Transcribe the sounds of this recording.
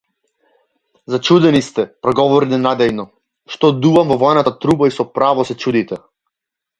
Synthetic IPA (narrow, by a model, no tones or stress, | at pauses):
zat͡ʃud̪ɛnist̪ɛpɾɔɡɔvɔɾinɛnad̪ɛjnɔ | ʃt̪ɔd̪uvamvɔvɔɛnat̪at̪ɾubaisɔpɾavɔsɛt͡ʃud̪it̪ɛ